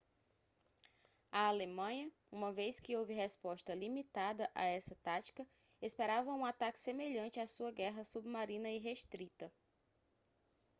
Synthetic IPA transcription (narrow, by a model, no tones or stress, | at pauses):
ɐalemɐ̃ɲɐ | ũmɐvejskɪowvɪɦɛspɔʃt̪ɐlimit̪ad̪ɐʔa̰ɛsɐt̪at͡ʃi̥kɐ | espeɾavɐũat̪akɪ̥semeʎɐ̃t͡ʃɪasuɐɡɛɦɐsubmaɾĩnɐiɦeʃt̪ɾit̪ɐ